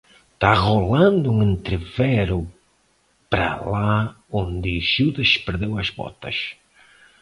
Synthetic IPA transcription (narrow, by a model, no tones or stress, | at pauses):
t̪aʁolãnd̪ʊuŋẽnt̪ɾevɛɾʊ | pɾɐ̰la | õnd̪ɪʒuðɐʃpeɾðewɐzβɔ̰t̪ɐ̰ʃ